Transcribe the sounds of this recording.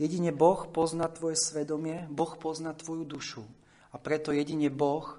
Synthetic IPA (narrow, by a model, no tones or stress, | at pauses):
jɛɟiɲɛbɔxpɔznat̪ʋɔjɛsʋɛd̪ɔmɪɛbɔxpɔznat̪ʋɔjud̪uʃu | apɾɛt̪ɔjɛɟiɲɛbɔx